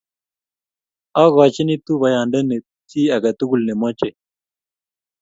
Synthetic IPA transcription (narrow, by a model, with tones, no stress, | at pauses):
a˦ɣa˨t͡ʃi˦ni˦t̪u˦βa˨ja˨ɳɖə˦ne˨ | t͡si˦a˨ɡa˨t̪u˦ɡu˨lne˨mɔ˦t͡ʃe˨